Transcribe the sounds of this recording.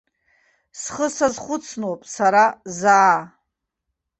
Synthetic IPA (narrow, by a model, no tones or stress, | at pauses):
sχəsazχʷʊt͡sʰnopʼsaɾazaː